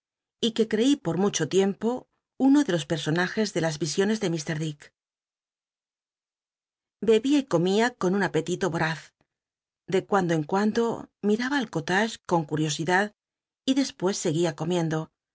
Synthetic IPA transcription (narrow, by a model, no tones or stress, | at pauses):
ike̞kɾe̞ipo̞ɾmut͡ʃo̞t̪je̞mpo̞ | uno̞ðe̞lo̞spe̞ɾso̞naxe̞zðe̞lazβisjo̞ne̞zðe̞mist̪e̞ɾðik | be̞βiaiko̞miako̞nunape̞t̪it̪o̞βoɾaθ | d̪e̞kwand̪oe̞ŋkwand̪o̞miɾaβaːlko̞t̪aʃko̞ŋkuɾjo̞siðað | iðe̞spwe̞sːe̞ɣiako̞mje̞nd̪o̞